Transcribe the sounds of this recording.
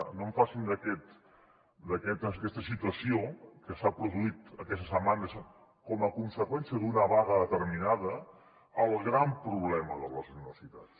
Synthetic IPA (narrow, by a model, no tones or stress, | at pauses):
noɱfasind̪əkɛt̪ | d̪əkɛt̪əkɛst̪əsit̪uəsiokəsapɾuðuit̪əkɛst̪əsəmanəs | kɔməkunsəkwɛnsijəðunəβaɣəðət̪əɾminaðəː | lˠɣɾampɾuβlɛməðələzuniβə̰sit̪as